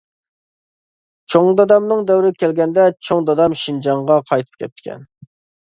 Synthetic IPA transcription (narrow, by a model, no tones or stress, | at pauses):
t͡ʃʰoŋd̪ɑd̪ɑmnɨŋd̪ɛwɾɪkʲʰɛlɡʲɛnd̪ɛt͡ʃʰoŋd̪ɑd̪ɑmʃind͡ʒɑŋʁɑqʰɑjt̪ʰɨ̥p̚kʲʰɛ̰pt̪̚ːɪ̥kʲʰɛ̰n